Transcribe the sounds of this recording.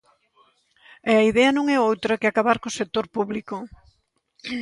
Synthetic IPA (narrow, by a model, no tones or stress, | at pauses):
ɛɐiðɛɐnõŋɛowt̪ɾɐkɪakaβaɾkosek̚t̪oɾpuβliko